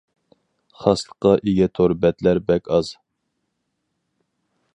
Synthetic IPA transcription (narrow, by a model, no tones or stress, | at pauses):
χɑslˠə̥qɑʔeɡʲɛt̪ʰoɾbɛt̪læɾbɛkʲɑz̥